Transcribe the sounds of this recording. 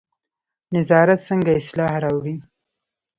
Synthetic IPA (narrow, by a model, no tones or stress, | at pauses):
nɪzɑːɾat̪səŋɡaɪslɑɦɾawɾi